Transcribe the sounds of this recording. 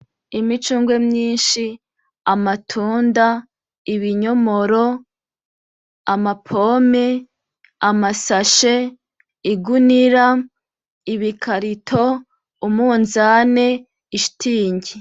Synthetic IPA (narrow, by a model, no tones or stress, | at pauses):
imit͡ʃuːŋɡwe̞mɲiːnʃi | amatʰuːnda | iβiɲo̞mo̞ɾo | amapʰoːme | amasaʃe | iɡuniɾa | iβikʰaɾitʰo | umuːnzane̞ | iʃtʰiːɲɟi